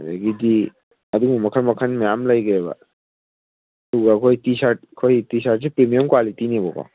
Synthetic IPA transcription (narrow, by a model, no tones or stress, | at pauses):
da̰ɡidi | ɐdumɐkʰaɾmɐkʰanmejamlajɡaba̰ | duɡakʰojtisat̚kʰojtisaʈ̚sipɾemijɔmkwalitinibɔka̰